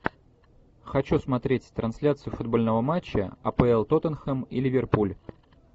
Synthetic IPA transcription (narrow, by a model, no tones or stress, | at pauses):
xɐt͡ɕusmɐt̪ɾʲetʲt̪ɾʔɐnsʲlʲat̪sɨjʊfʊd̪̚bo̞lʲnəvəmat͡ɕːə̰ɐ̰pəɛlˠt̪ot̪ənxəmḭlʲɪvʲɪrpulʲ